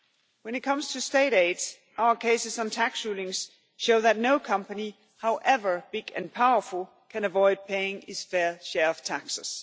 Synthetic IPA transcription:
wɛ̃nɨt̚kʰʌ̃mstʰusd̥eɪɾeɪds | ʔaʊə˞kʰeɪsɨsn̩tʰæksɹulˠɪ̃ŋs | ʃoʊðætⁿnoʊkʰʌ̃mpəni | haʊʔɛvə˞b̥ɪɡ̥ɨ̰̃npʰaʊə˞fəl̩ˠ | kʰæ̃nɨvɔɪd̚pʰeɪɪ̃ŋɪz̥fɛɹʃɛɹʌv̥tʰæksəs

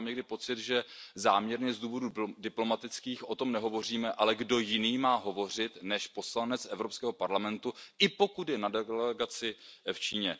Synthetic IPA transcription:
mɲɛɡdɪpo̞t͡sɪt̪ʒɛzaːmɲɛɾɲɛzd̪uːvo̞dudɪplo̞mat̪ɪt͡skiːxʔo̞t̪o̞mnɛɦo̞vo̞r̝iːmɛʔalɛɡdo̞jɪniːmaːɦo̞vo̞r̝ɪt̪nɛʃpo̞slanɛt͡sʔɛvɾopskɛːɦo̞paɾlamɛnt̪uʔɪpo̞kut̪jɛnadɛlɛɡat͡sɪft͡ʃiːɲɛ

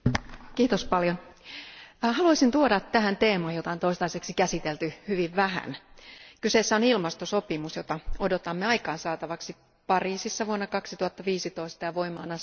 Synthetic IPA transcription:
kiːt̪ospɑljon | hɑluɑisint̪uodɑtt̪æɦænt̪eːmɑːjot̪ɑont̪oist̪ɑiseksikæsit̪elt̪yhyʋiʋʋæɦæ̰nkyseːsːæonilmɑst̪oso̞pimusjot̪ɑodot̪ɑmːeɑjkɑːnsɑːt̪ɑʋɑksi | pɑriːsisːɑʋuonːɑkɑksit̪uhɑt̪ːɑʋiːsit̪oist̪ɑjɑʋoimɑːnɑ

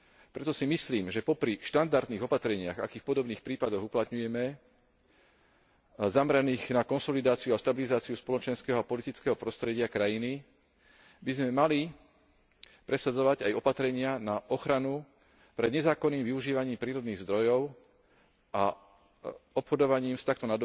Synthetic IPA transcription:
pɾɛt̪ɔsimisliːmʒɛpɔpɾiʃt̪and̪aɾd̪niːɣɔpat̪ɾɛɲɪa̰ɣa̰kiːxpɔd̪ɔbniːxpɾiːpad̪ɔɣuplat̪ɲujɛmɛ | zamɾaniːɣnakɔnsɔlid̪aːt͡siuaʃt̪abilizaːt͡siuspɔlɔt͡ʃɛnskɛːɦɔapɔlit̪it͡skɛɦɔpɾɔst̪ɾɛɟɪakɾajini | bizmɛmali | pɾɛsad͡zɔʋaɟajɔpat̪ɾɛɲɪanaʔɔxɾanu | pɾɛd̪ɲɛzaːkɔnːiːmʋiuʒiːʋaɲiːmpɾiːɾɔd̪niːɣzd̪ɾɔjɔʊ | ʔa | ɔpxɔd̪ɔʋaɲiːmst̪ak̚t̪ɔnad̪ɔ

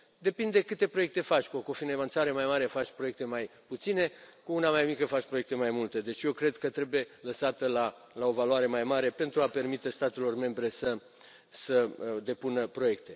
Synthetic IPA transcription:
d̪e̞pind̪e̞kɨt̪e̞pɾo̞je̞k̚t̪e̞fat͡ʃʲkuoko̞finevant̪saɾemajmaɾefat͡ʃʲpɾoje̞k̚t̪e̞majput̪sine̞kuunamajmikəfat͡ʃʲpɾoekt̪e̞majmult̪e̞d̪e̞t͡ʃʲje̞wkɾe̞d̪kət̪ɾe̞buje̞ləsat̪əla | lao̞valwaɾe̞majmaɾe̞pe̞nt̪ɾuape̞rmit̪e̞st̪at̪e̞lo̞rme̞mbɾe̞sə | səd̪e̞punəpɾo̞je̞kt̪e̞

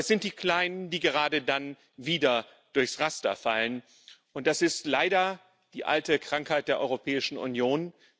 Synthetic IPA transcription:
ɛsz̥ɪnt̚d̥iːkl̥aɪnəndiːɡəʁaːdədan | viːdɐ | d̥ʊɐçsʁastɐ̰falən | ʔʊnt̚d̥asɪstlaɪɾɐ | d̥iːʔa̰ltəkʁ̥aŋkhaɪt̚d̥eːɐʔɔʏʁopʰɛːɪʃn̩ṵnjoːn

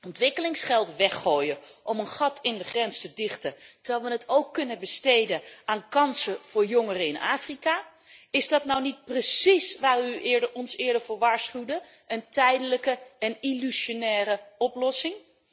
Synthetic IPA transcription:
ɔntʋɪkəlɪŋsχɛlˠtʋɛχoːjəʔɔmənχɑtʰɪndəχrɛnstədɪχtətəɹʋɛːlˠʋənətʰowkːɵnənbəstejdəaːnkɑnsəv̥ʊːɹjɔŋərəɪnʔa̰ːfrikaː | ɪzdɑtnawnit̚prəsisʋaːryɪːɹdəɔnsɪːɹdəɹvʊːɹʋaːɹsχywdəəntɛjdələkəɛnilyʃonɛːrəɔplɔsɪŋ

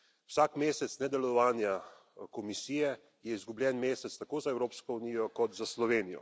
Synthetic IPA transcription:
wsaːkmeːsɛt̪snɛd̪ɛlɔɔʋaːnja | kɔmisijɛ | jɛizɡublʲjɛnmeːsɛtst̪akoːzaɛwɾoːpskɔuniːjɔkɔt̪zaslɔʋeːnijɔ̰

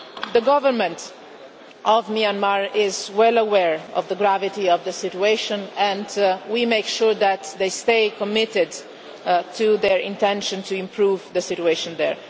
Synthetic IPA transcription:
ðəɡʌvəɹmə̃nt | ʔɔvmiãnmaɹɪzwɛləwɛɹɔ̰vðəɡɹavɪtiɔvðəsɪtueɪʃə̃nɛ̃ndwimeɪkʃuɹðæt̪ðeɪsteɪkɔmɪtɪd | tʰuðɛɹɪ̰̃ntɛ̃nʃə̃ntuɪ̃mpʰɹuvðəsɪtueʃə̃nd̪ɛ̰ɹ

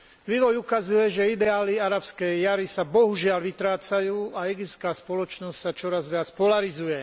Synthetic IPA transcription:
ʋiːʋɔjukazujɛʒɛid̪ɛaːliaɾapskɛjaɾisabɔɦuʒɪalʋit̪ɾaːt͡sajuːʔaɛɡiptskaːspɔlɔt͡ʃnɔscʲsat͡ʃɔɾazʋɪat͡spɔlaɾizujɛ

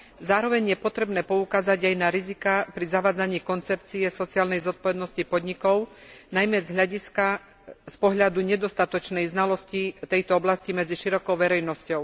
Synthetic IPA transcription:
zaːɾɔʋɛɲjɛpɔt̪ɾɛbnɛːpɔukaːzaɟajnaɾizikapɾizaʋaːd͡zaɲiːkɔnt͡sɛp̚t͡siɛsɔt͡siaːlnɛjzɔt̪̚pɔʋɛd̪nɔscipɔd̪ɲikɔʊnajmɛzɦʎaɟiska | spɔɦʎad̪uɲɛd̪ɔst̪at̪ɔt͡ʃnɛjznalɔscit̪ɛjt̪ɔɔblascimɛd͡ziʃiɾɔkɔʊʋɛɾɛjnɔscɔʊ

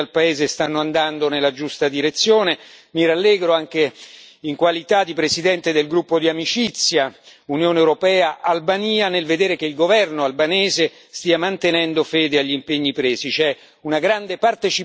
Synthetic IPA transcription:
alpaeːzest̪anːoand̪and̪onelːad͡ʒust̪ad̪iɾet̪sːjoːnemiɾalːeːɡɾoaŋk̟eiŋkwalit̪ad̪ipɾesid̪ɛnt̪ed̪elɡɾupːod̪iamit͡ʃit̪sːjaunjoːneewɾopɛːaʔalbaniːanelved̪eːɾekeilɡovɛrnoalbaneːze | st̪iːamant̪enɛnd̪ofeːd̪eaʎːimpeɲːipɾeːzit͡ʃɛ | unaɡɾand̪epart̪et͡ʃi

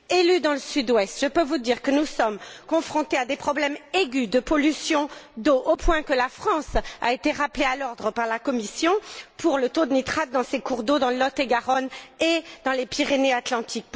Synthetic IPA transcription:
elyd̪ɑ̃ləsyd̪wɛst̪ʒ̥əpøvud̪iʁkənusɔmkɔ̃fχɔ̃t̪ead̪epχɔblɛmeɡʲyd̪əpɔlysjɔ̃d̪oʔopwɛ̃kəlafχɑ̃sa̰et̪eʁaplealɔʁd̪ʁəpaʁlakɔmisjɔ̃puʁlət̪od̪ənit̪χad̪̚ːɑ̃sekuʁd̪od̪ɑ̃llɔt̪eɡaʁɔned̪ɑ̃lepiʁeneat̪lɑ̃t̪ʰik̚

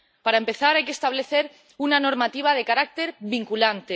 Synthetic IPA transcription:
paɾaempe̞θaɾajke̞st̪aβ̞le̞θe̞ɾ | unano̞ɾmat̪iβ̞að̞e̞kaɾak̚t̪e̞ɾβiŋkulant̪e

